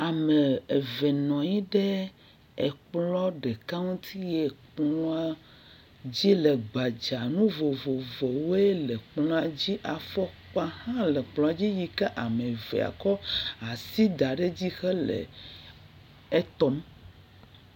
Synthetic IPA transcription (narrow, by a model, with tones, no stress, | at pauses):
a˨me˨e˨vɛ˨nɔ̃˨ɲi˦ɖɛ˦ | ɛ˨k͡plɔ˦ɖɛ˨ka˦ŋũ˦t̪ʰi˦jɛ˨k͡plɔɔ̃˦a˦ | d͡ʑi˦le˨ɡ͡ba˨d͡ʒa˨nũ˦vo˨vo˨ve˨wo˦e˦lɛ˨k͡plɔ̃˦a˨d͡ʑi˦ʔa˨fɔ˦k͡pa˦hã˦lɛ˨k͡plɔ̃˨a˨d͡ʑi˦ji˨ke˦ʔa˨mẽ˨vɛ̰˨a̰˨kɔ˦a˨si˦d̪a˨ɖe˦d͡ʑi˦xɛ˦lḛ˨ | e˦t̪ɔ˦m